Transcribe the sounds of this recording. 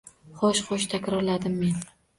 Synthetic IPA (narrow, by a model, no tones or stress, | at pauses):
χɒʃχoʃt̪ʰakʲɾɒɾlad̪ɪmːe̞n